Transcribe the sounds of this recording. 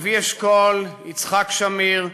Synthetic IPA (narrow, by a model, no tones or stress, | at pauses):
vieʃkolit͡sχakʃamiʁ